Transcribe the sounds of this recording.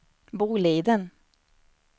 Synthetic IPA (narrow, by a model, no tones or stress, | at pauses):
buːleːd̪ən